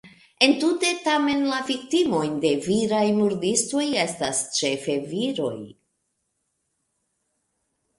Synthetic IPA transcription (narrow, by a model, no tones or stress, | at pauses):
e̞ntute̞tame̞nlavik̚timo̞jnde̞viɾajmuɾdisto̞je̞stast͡ʃe̞fe̞viɾo̞̰j